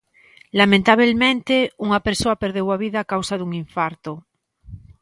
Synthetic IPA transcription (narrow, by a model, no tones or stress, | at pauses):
lamẽnt̪aβ̞elmẽnt̪euŋapeɾsoapeɾð̞ewaβ̞iðaːkawsaðuŋiɱfaɾt̪o